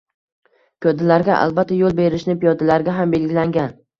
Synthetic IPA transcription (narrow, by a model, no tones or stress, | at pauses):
kʲʰɵd̪ɪlaɾɡʲaʔa̰lˠbat̪ʰːajolˠbe̞ɾɪʃnɪpijɒd̪alaɾɡʲaɦambe̞lɡʲɪlaŋɡʲan